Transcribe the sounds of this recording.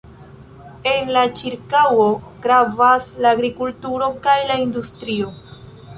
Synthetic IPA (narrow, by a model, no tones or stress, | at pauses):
e̞nlat͡ʃiɾkawo̞ | ɡ̥ɾavaslaːɡɾikultuɾo̞kajlaindustɾio̞